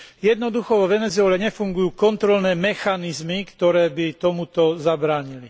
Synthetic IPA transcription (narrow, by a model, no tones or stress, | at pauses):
jɛd̪nɔd̪uxɔʋɔʋɛnɛzʊɛːlɛɲɛfuŋɡujuːkɔnt̪ɾɔlnɛːmɛxanizmikt̪ɔɾɛːbit̪ɔmut̪ɔzabɾaːɲili